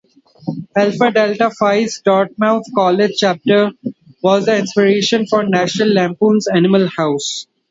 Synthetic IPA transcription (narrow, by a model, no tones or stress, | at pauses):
ɛlfəɖelʈafaɪsɖɔːɾʈ̚maʊt̪ʰkɔːled͡ʒt͡ʃæːp̚ʈəɾʋɔːzd̪əɪ̃nspɪɾeːʃə̃nfɔːɾnæːʃnəlːæ̃ːmpũːnzænɪməlhaʊs